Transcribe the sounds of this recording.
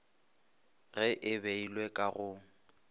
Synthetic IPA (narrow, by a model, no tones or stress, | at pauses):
ɣɛʔɪbeilwɛkʼaɣʊ